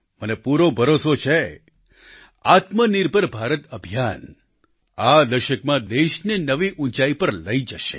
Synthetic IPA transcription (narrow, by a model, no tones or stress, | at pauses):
mənepuɾobʱəɾosot͡ʃʰe | at̪məniɾbʱəɾbʱaɾət̪əbʱijan | ad̪əʃəkmãd̪eʃninəʋiʔũt͡ʃaipəɾləid͡ʒəʃḛ